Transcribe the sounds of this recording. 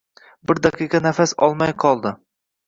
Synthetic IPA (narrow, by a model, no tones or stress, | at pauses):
bɪɾd̪aqʰɨiqɑnafasɒ̰lˠmajqʰɒlˠd̪ɪ